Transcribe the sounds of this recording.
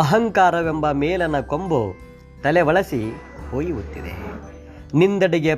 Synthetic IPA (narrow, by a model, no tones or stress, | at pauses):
ɐɦɐŋkaːɾɐʋe̞mbɐmeːlɐnːɐkombu | t̪ɐleʋɐɭɐsi | hoːjiʋut̪ːḭd̪ḛ | nind̪ɐɽiɡe